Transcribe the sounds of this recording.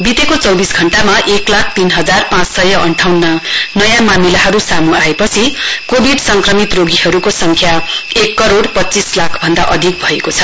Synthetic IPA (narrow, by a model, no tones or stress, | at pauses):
bit̪ekot͡sʌwbisɡʱʌɳʈamaʔeklakʰt̪inɦʌd͡zarpãt͡ssʌjʌʔʌɳʈʰawnːʌnʌjãmamilaɦʌɾusamuaepʌt͡sʰikobʱiɖsʌŋkrʌmit̪roɡiɦʌɾukosʌŋkʰjaekːʌɾoɽpʌtːt͡sislakʰbʱʌnd̪aʔʌd̪ʱik̚bʱʌekot͡sʰʌ